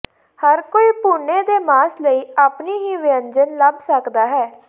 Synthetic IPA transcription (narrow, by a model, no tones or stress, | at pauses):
həɾkoːiːpuːnːeːd̪eːmaːsləiːaːpniːɦiːʋɪəɲd͡ʒənləbsəkd̪aːɦɛː